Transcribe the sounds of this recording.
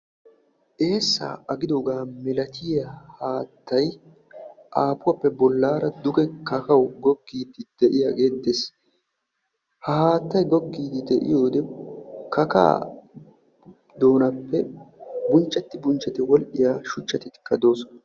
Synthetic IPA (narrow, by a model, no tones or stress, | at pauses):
ʔe̞ːsːa̰ːɐɡɪd̪oːɡaːmɛlɐt̪ʰɪjɐhaːt̪ːɐj | ʔaːpʊwɐpːɛbɔlːaːɾɐd̪ʊɡɛkɐkɐwɡɔɡːiːd̪ɪd̪̥ɛʔɪjaɡe̞ːd̪ːes | hahaːt̪ːɐjɡɔɡːiːd̪ɪd̪ɛʔɪ̰jo̞ːd̪ɛkɐka̰ː | d̪o̞ːnɐpːɛbʊnt͡ʃːɐt̪ːɪbʊnt͡ʃːɛt̪ɪwɔlʔɪjaːʃʊt͡ʃːɐt̪ɪt̪ɪ̥kːɐd̪o̞ːsɔnɐ